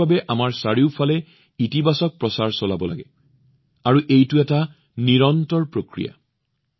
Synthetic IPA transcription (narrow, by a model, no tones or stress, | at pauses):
abɛʔamaɹsaɹiʊpʰalɛ | itibasɔk̚pɹɔsaɹsɔlabɔlaɡɛ̰ | aɹuʔejtuɛta | niɹɔntɔɹpɹokɹija̰